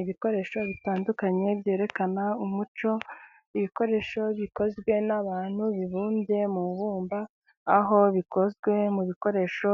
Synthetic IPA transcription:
iβiko̞ɾe̞ːʃo̞βitaːndukaɲe̞bje̞ːɾe̞kanaumut͡ʃo̞ | iβiko̞ɾe̞ːʃo̞βiko̞zɡwe̞naβaːn̥huβiβuːnde̞muβuːmbaː | ɦo̞βiko̞zɡwe̞muβiko̞ɾe̞ʃo̞

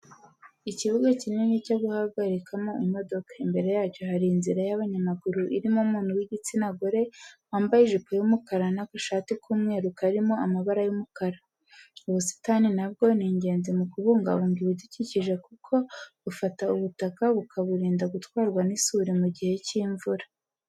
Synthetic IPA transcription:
iciβuɡacininecoɡuhaɡaɾikʰamoimo̞do̞kḁimbe̞ɾe̞jaːco̞haɾiːnziɾajaβaɲamaɡuɾuʔḭɾimoumuːn̥huwiɟit͡sinaɡoɾe̞ | aːmbajiʒupojumukaɾanakoʃaːtikʰuːmŋeːɾukaɾimo̞amaβaɾajumukaɾa | uβusi̥taːninabɡo̞niːɲɟe̞ːnzimukuβuːŋɡa̰βuːŋɡiβuɟiciciʒe̞kukʰo̞βufatauβutakaβukʰaβuɾiːndaɡutwaːɾɡwanisuːɾimuɟihe̞ciːɱvuɾḁ

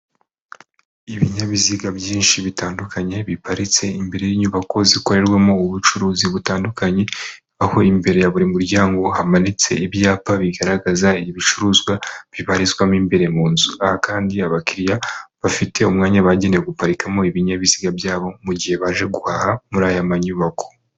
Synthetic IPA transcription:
iβiɲaβiziɡabjiːnʃiβitaːndukʰaɲe̞βipaɾit͡se̞imbe̞ɾe̞jiɲuβako̞ziko̞ɾe̞ɾɡwamo̞uβut͡ʃuɾuːziβutaːndukʰaɲe̞ | aho̞imbe̞ɾe̞jaβuɾimuɾɟaːŋɡo̞hamanit͡se̞̰iβjaːpaβiɡaɾaɡazaiiβit͡ʃuɾuːzɡwaβiβaɾizɡwamimbe̞ɾemuːnzuahakaːndiaβakiɾjaβafitʰe̞umŋaːɲaβaɟe̞nejoɡupaɾikamo̞iβiɲaβiziɡabjaːβo̞muɟihe̞βaʒe̞ɡuhahamuɾaːjamaɲuβako̞̥

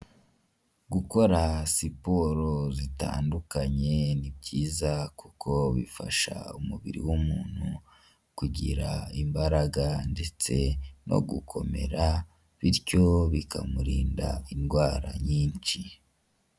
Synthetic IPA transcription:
ɡuko̞ɾasipoɾozita̰ːndukaɲe̞nibɟiːzakukʰo̞βifaʃa̰umuβiɾḭwumuːn̥hu | kuɟiɾaimbaɾaɡande̞t͡se̞no̞̰ɡukʰo̞me̞̰ɾa | βiɾco̞βikʰamuɾiːnda̰inɡwaːɾa̰ɲiːnt͡ʃi

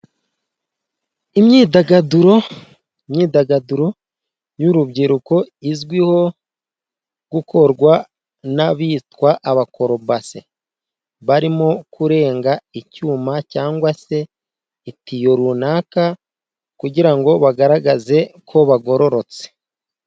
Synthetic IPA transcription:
imɲiːdaɡaduɾo̞ | imɲiːdaɡaduɾo̞ | juɾubɟiɾuko̞izɡwiho̞ | ɡukʰo̞ɾɡwa | naβiːtwaʔaβako̞ɾo̞base̞̰ | βaɾimo̞kuɾe̞ːŋɡaicuːmacaːŋɡwase̞ | itijo̞ɾunaːka | kuɟiɾaŋɡo̞βaɡaɾaɡaze̞kʰo̞βaɡo̞ɾo̞ɾo̞t͡se̥

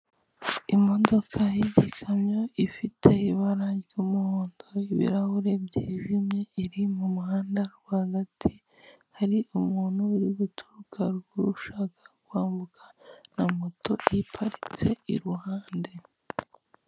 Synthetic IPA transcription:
imo̞do̞kʰajiɟikʰaɲɲo̞ifitʰe̞iβaɾaɟuːmuhoːndo̞iβḭɾahuɾe̞bɟiːʒimɲe̞iɾimumuhaːndaɾɡwahaɡatʰi | haɾiʔumuːn̥huːɾiɡutʰuɾukʰaɾɡuɾuʃaːkḁɡwaːmbukʰḁnamoto̞ipʰaɾit͡se̞ḭɾuhaːnde̞

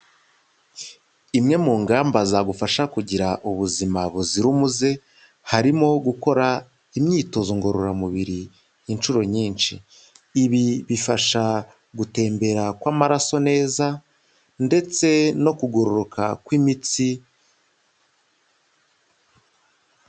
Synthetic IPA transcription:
imŋe̞muːŋɡaːmbazaɡufaʃakuɟiɾaʔuβuzimaβuziɾumuze̞ | haɾimo̞ɡuko̞ɾa | imɲiːto̞zoŋɡo̞ɾoɾamuβiɾi | jint͡ʃuɾo̞ɲiːnʃḭː | βiβifaʃa | ɡute̞ːmbe̞ɾakwaːmaɾaso̞ne̞ːza | nde̞t͡se̞no̞kuɡoɾoɾokʰakwimit͡si

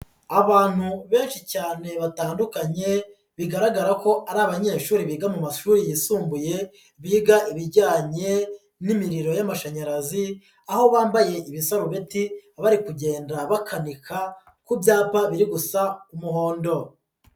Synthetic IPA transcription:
aβaːn̥huβe̞ːnʃicaːne̞βataːndukaɲe̞ | βiɡaɾaɡaɾako̞ʔaɾaːβaɲe̞ːʃuːɾiβiːɡamumaʃuːɾijisuːmbuje̞ | βiːɡaʔiβiɾɟaːɲe̞ | nimiɾiɾo̞jamaʃaɲaɾazi | aho̞βaːmbaje̞ʔiβisaɾuβetiaβaɾikuɟe̞ːndaβakʰanikʰa | kubjaːpaβiɾiɡusaumuɦo̞ːndo̞

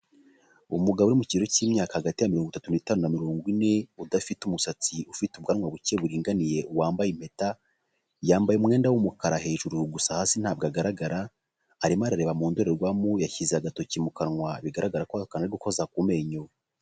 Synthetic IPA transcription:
umuɡaβuɾimuciːɾo̞ciːmɲaːkahaɡatijamiɾoŋɡwitatuniːtaːnunamiɾo̞ːŋɡwine̞udafitumusat͡siufitubɡanŋwaβuceβuɾiːŋɡanije̞uwaːmbajim̥e̞ta | jaːmbajemŋe̞ːndawumukaɾahe̞ːʒuɾuɡusahaːsin̥haːb̚ɡaɡaɾaɡaɾaː | ɾimaɾaɾe̞ːβamuːndoɾe̞ɾɡwamujaçizeaɡato̞cimukanŋwaβiɡaɾaɡaɾakwakanaɾiɡukozak̚ume̞ɲo

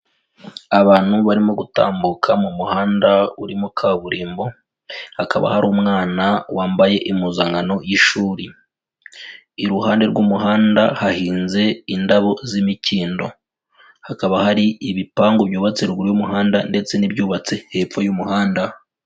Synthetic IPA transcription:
aβaːn̥huβaɾimo̞ɡuta̰ːmbukʰamumuhaːndauɾimokʰaːβuɾiːmbo̞ | haka̰βa̰haɾuːmŋaːnawaːmbaje̞ʔimuzaŋɡano̞jiʃuːɾi | iɾuhaːnde̞ɾɡumuɦaːndahahiːnze̞indaβo̞zimiciːndo̞̰ | hakaβahaɾiiβipaːŋɡoβjuːβat͡seɾɡuɾjumuɦaːndande̞t͡se̞nibjuːβat͡se̞heːfojumuhaːnda

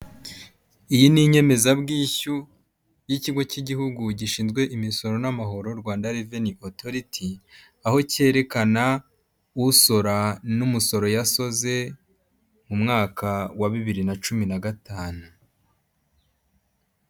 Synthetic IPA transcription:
ijiniɲe̞me̞zabɡiːçu | jiciɡwo̞ciɟihuɡuɟiʃiːnzɡwe̞ʔimiso̞ɾo̞namaɦo̞ɾo̞ɾɡwaːndaɾiveniʔotʰo̞ɾitʰi | aho̞ce̞ɾe̞kana | uso̞ɾanumuso̞ɾo̞jaso̞ze̞ | mumŋaːkʰawaβiβiɾinat͡ʃuminaɡataːnu

